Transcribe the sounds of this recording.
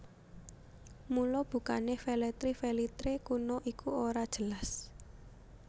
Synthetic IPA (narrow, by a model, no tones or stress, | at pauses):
mulɔb̥ṳka̰nefɛlɛt̪ɾifɛlit̪ɾekunɔʔikʰuoɾad̥ʒ̥ə̤las